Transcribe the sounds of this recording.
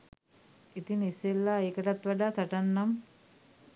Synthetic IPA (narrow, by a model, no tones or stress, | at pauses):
it̪iniselːaeːkəʈat̪ʋaɖaːsaʈanːam